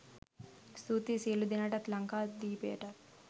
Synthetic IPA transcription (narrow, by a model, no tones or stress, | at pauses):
st̪uːt̪iseːlud̪inaʈɐt̪lɐŋkaːd̪iːpḛːʈɐt̪